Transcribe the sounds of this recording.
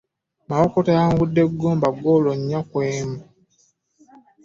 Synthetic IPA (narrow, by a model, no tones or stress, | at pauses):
maokotajaːŋɡudːe̞ɡːoːmbaɡoloɲːakweːma